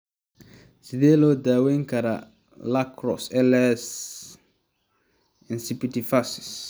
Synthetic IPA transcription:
sidelod̪aweŋkaɾa̰ | lakɾɔ̰sɛlɛs | ɪnsipitifasɪ̥s

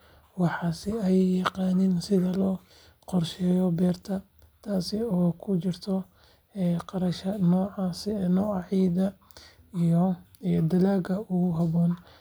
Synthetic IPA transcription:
wɑħɑːsɪɛjjːɑqɑːnɪnsɪðɐlɔː | qɔrʃɛːjɔbɛːrt̪ʰɐ | t̪ʰaːsɪɔːkʰʊt͡ʃɪrt̪ʰɔ | ɛːqɑɾɐʃɐnɔːʕɑsɪnɔːɑʕiːd̪ɐ | ijɔijd̪ɐlaːɡɐʊɣʊɦɐβɔːn

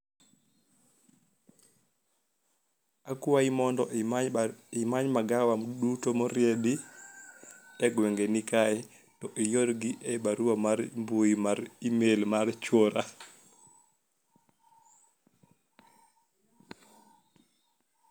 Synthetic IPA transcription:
akuwaimɔndɔ | imaɲmaɡawamɗutɔmɔɾjeɗi | ɛɡwɛŋɡɛnikajɛ | tɔʔijoɾɡiʔɛbaɾuwamaɾmbujimaɾimelmaɾt͡ʃoɾa

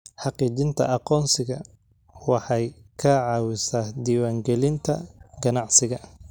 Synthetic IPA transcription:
ħɑqiːd͡ʒɪnt̪ʰɐ̰ʔɑqɔːnsɪɣɐ | wɑħɑjkʰɐʕɑːwɪsaːhd̪iːwaːŋɡɛlɪnt̪ʰɐ̰ɡɐnɑʕsɪɣɐ

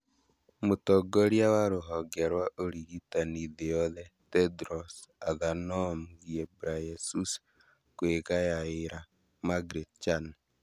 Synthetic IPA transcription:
motɔɡoɾjawaɾoɦɔɡɛɾwaʔoɾiɣitaniðejɔðɛtɛdɾɔsaðanɔmɡiebuɾajesus | kweɣajaeɾa | maɡɾet͡ʃan

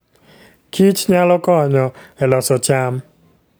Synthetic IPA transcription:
kit͡ʃɲalɔkɔɲɔɛlɔsɔt͡ʃam

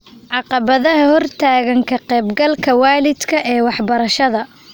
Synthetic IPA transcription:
ʕɑqɑβɐðɐɦɐhɔrt̪ʰaːɣɐŋkʰɐqɛːbɡɐlkʰɐwaːlɪd̪kʰɐʔɛːwɑħbɐɾɐʃɐðɐ

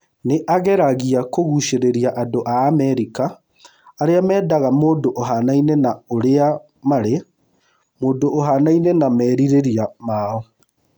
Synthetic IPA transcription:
neʔaɣɛɾaɣiakoɣuʃeɾeɾiaʔadoʔaːmɛɾikaː | ɾeamɛːdaɣamoːdoʔoɦanainɛnaoɾea | maɾe | moːdoʔːɦanainɛnamɛːɾiɾeɾiamaɔ

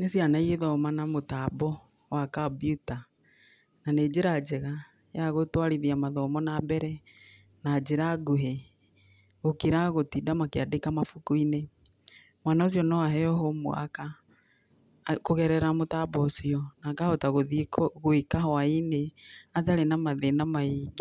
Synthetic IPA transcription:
nesianaieðɔmanamotabɔ | wakabiuta | naned͡ʑeɾad͡ʒɛɣa | jaɣotwaɾiðiamaðɔmɔnabɛɾɛ | nad͡ʒeɾaɡuɦe | ɣokiɾaɣotidamakeadekamafukuine | mwanaos̬jɔnɔwaɦɛɔɦomo̰a̰ka | koɣɛɾɛɾamotabɔsiɔnakahɔtaɣoðikɣwekahaineataɾenamaðenamaik

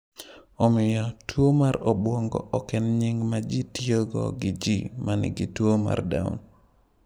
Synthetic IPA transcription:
ɔmɪjɔtwomaɾɔbwoŋɡɔ̰ʔɔkɛnɲɪŋɡmad͡ʒitjoɡɔ̰ɡɪd͡ʒimanɪ̰ɡɪtwoma̰rda̰ʊ̰n

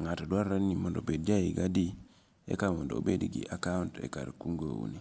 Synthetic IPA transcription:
ŋatodwaɾanimondobed̚d͡ʒajiɡadi | ḛkamondo̰bedɡḭʔakauntḛka̰ɾkuŋɡo̰wṵni

